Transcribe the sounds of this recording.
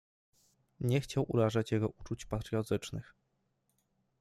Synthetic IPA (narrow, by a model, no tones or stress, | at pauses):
ɲɛxt͡ɕawʔṵɾaʐat͡ɕjɛɡɔʔut͡ʂut͡ɕpat̪ɾjɔt̪ɘt͡ʂnɘx